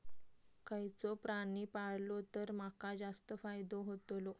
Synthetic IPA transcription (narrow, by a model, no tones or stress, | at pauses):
kʰəjt͡sopɾanipaɽlot̪əɾmakad͡zast̪əfajd̪oɦot̪lo